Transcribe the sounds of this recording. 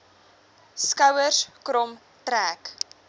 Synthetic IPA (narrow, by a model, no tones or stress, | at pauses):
skɐwərskrɔm | tɾæːk